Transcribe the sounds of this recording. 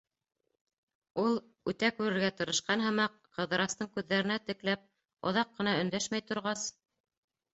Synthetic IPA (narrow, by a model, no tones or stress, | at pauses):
ulˠ | ʉt̪ækʉɾɘ̆ɾɡæt̪ɤ̆ɾɤ̆ʃqɑnɦɤ̆mɑqːɤ̆ðɤ̆ɾɑst̪ɤɴkʉðːæɾɘ̆næt̪ɘ̆klæp̚ | ŏ̰ðɑqːɤ̆nɑɵ̆nd̪æʃmæjt̪ŏɾʁɑs